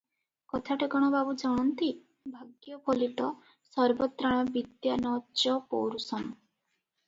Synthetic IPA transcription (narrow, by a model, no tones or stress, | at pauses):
kɔt̪ʰaʈeɡɔɽ̃ɔbabud͡ʒɔɽ̃ɔnt̪i | bʱaɡjɔpʰoliʈɔ | sɔɾbɔt̪ɾaɽ̃ɔbid̪janɔt͡ʃɔpo̰wɾusɔn